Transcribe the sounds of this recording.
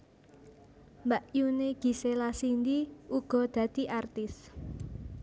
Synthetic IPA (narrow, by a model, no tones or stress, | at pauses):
mbaʔjuneɡ̥i̤selasind̪iuɡ̥ɔ̤d̪̥ä̤d̪̥i̤ʔart̪ɪs